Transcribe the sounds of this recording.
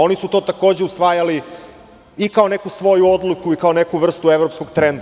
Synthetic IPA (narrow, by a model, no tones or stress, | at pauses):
o̞nisut̪o̞ːt̪ako̞ːd͡ʑeusʋajali | ikao̞ne̞kusʋo̞juo̞d̪lukuikaonekuʋr̩st̪uevɾopsko̞ɡt̪ɾend̪